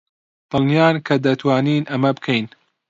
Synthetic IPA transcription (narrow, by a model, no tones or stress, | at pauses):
t̪ɨnijaːnkʰɐd̪ɐt̪ʰwaːniːnʔɐmɐbɨkʰejn